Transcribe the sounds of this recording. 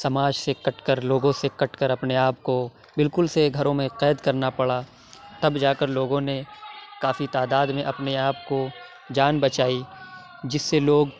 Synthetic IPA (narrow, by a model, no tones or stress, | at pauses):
sɐmaːd͡ʒsekɐʈkəɾloːɡõsekɐʈkəɾɐpneaːp̚ko | bɪlkʊlseɡʱɐɾõmẽqɛːd̪kɐɾnapɐɽa | t̪ɐbd͡ʒaːkəɾloːɡõnekaːfit̪aːd̪aːd̪mẽʔɐpneaːp̚ko | d͡ʒaːnbɐt͡ʃaːi | d͡ʒɪsːeloːɡ